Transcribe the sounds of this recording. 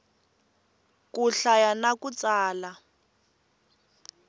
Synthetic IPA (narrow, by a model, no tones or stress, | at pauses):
kuɬajanakut͡saːla